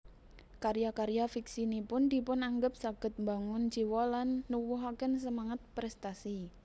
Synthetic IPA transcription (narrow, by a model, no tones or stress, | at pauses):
kaɾjakaɾjafiksinipʊnd̪̥i̤pʊnaŋɡəp̚saɡ̥ə̤t̪̚mbaŋʊnd͡ʒ̥i̤wɔlanːuwuɦakəns̬əmaŋat̪̚pɾɛst̪asi